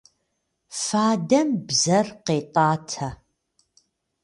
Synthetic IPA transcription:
faːdɐmbzɐrqeːtʼɑːtʰɐ

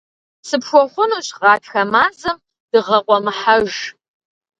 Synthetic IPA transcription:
sɨpʂʷɔχʷʊnuɕʁɑːtxɐmaːzɨm | d̥ɨʁɐqʷʼɔmɨħaʒ

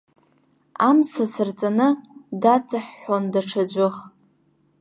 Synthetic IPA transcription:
amsasɨrt͡sʼanɨdat͡sʼaħːondaʈ͡ʂʰad͡ʑʷʊχ

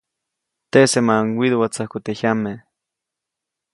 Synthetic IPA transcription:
t̪esemaŋwiðwat͡sahkut̪ehame

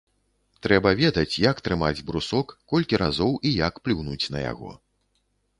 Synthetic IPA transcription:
t̪ɾɛbɐvʲɛd̪ɐt͡sʲjakt̪ɾɨmad͡zʲbɾusɔkːɔlʲkʲiɾazɔwʔijakplʲuwnut͡sʲnɐja̰ɣɔ̰

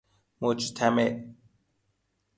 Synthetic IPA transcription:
mot͡ʃʰit̪ʰame

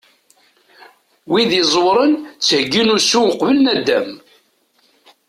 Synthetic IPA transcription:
wiðizˤwɾˤənt͡sːhəɡːinʊsuwəqvəlnæd̪ːæm

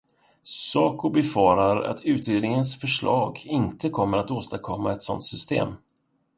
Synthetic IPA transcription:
sɑːkʊbɛfɑːɾaɾa̰t̪ʰʉ̟ːt̪ɾeːd̪nɪŋənsfœʂɭɑːɡɪnt̪əkʰɔmːəɾat̪oːst̪akʰɔmːaɛt̪sɔ̰nt̪sʏst̪ḛːm

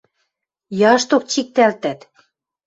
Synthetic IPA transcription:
jɑʃt̪ok̚t͡ɕik̚t̪ælt̪æt̪

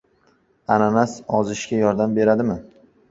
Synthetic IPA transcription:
ananasɒzɪʃkʲajɒɾd̪ambe̞ɾad̪ɪmɪ

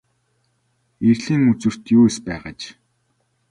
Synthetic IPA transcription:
erɮiːŋut͡sɵ̆r̥t̪juːspæːʁəːt͡ɕ

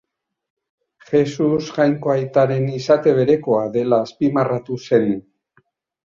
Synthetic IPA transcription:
xe̞susʝajŋko̞ajt̪aɾe̞nisat̪e̞β̞e̞ɾe̞ko̞aðe̞laːspimarat̪use̞n

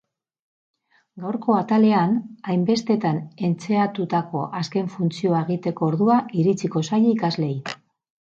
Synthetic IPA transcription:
ɡawɾko̞at̪ale̞anajmbe̞st̪e̞t̪ane̞nt͡se̞at̪ut̪ako̞̰ʔaske̞ɱfunt͡sio̞aeɣ̞it̪e̞ko̞ːɾðuaiɾit͡siko̞sajikazle̞j

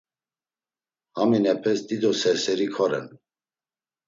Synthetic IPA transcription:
haminɛpʰɛsd̪id̪ɔsɛɾsɛɾikʰɔɾɛ̰n

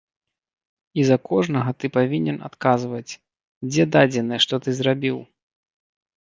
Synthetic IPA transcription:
izɐkɔʐnɐɣɐt̪ɨpavʲinʲɛna̰t̪kazvɐt͡sʲ | d͡zʲɛd̪ad͡zʲɛnɐjɛʂt̪ɔt̪ɨzɾabʲiw

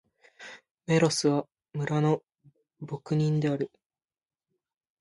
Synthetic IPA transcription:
me̞ɾo̞sɨβ̞a | mɯ̟ɾano̞ | bo̞kɯ̟ɲ̟ĩnd̪e̞aɾɯ̟

